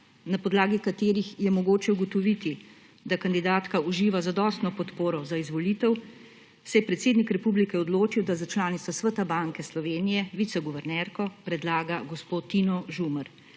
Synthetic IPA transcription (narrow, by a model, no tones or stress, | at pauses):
napɔd̪laːɡikat̪eːɾixjɛmɔɡoːt͡ʃɛuɡɔt̪ɔʋit̪i | d̪akand̪id̪aːt̪kauʒiːʋazad̪ɔːst̪nɔpɔt̪poːɾɔzaizʋɔliːt̪ɛw | sɛjɛpɾɛt̪seːd̪nikɾɛpublikɛɔd̪loːt͡ʃiwd̪azat͡ʃlaːnit̪ʋasʋət̪abaŋkɛslɔʋeːnijɛʋit̪sɛɡuʋɛɾnɛɾkɔpɾɛd̪laːɡaɡɔspoːt̪ːinɔʒuməɾ